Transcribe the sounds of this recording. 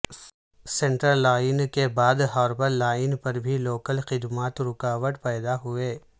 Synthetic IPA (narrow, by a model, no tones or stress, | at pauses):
sẽɳʈəɾlaːɪnkebaːd̪ɦɔːɾbəɾlaːɪnpɐɾbʱiloːkəlxɪd̪maːt̪ɾʊkaːʋəʈpɛːd̪aɦʊeː